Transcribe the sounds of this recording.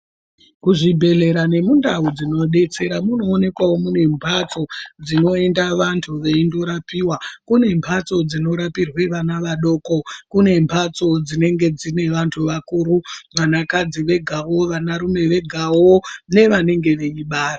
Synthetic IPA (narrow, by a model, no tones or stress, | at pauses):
kuʐibʱe̞ɮe̞ɾane̞mundaud͡zino̞ɗe̞t͡se̞ɾamuno̞ːne̞kwawo̞mune̞mpʰat͡so̞d͡zino̞e̞ndaʋantʰuʋe̞indoɾapiːwakune̞mpʰat͡so̞d͡zino̞ɾapirwe̞ʋanaʋaɗo̞ko̞kune̞mpʰat͡so̞d͡zine̞ŋɡe̞d͡zine̞ʋantʰuʋakuːɾuʋanakad͡ziʋe̞ɡʱawo̞ʋanaɾume̞ʋe̞ɡʱawone̞ʋane̞ŋɡe̞ʋe̞iɓaːra